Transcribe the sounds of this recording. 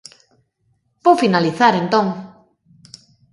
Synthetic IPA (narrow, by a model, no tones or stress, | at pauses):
powfinaliθaɾent̪õŋ